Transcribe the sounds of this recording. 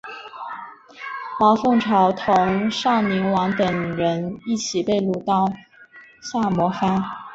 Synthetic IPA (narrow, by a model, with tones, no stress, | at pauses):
mɑ˧˥ʊfɤ˥˩ŋʈ͡ʂʰɑ˧˥ʊt̪ʰʊ˧˥ŋʂɑ˥˩ŋmi˧˥ŋwɑ˧˥ŋt̪ə˨˩ŋɻə˧˥ni˥˩t͡ɕʰi˨˩pe˥˧ɪlu˧˥˩t̪ɑ˥˩ʊ | ɕja˥˩mwɔ˧˥fa˥n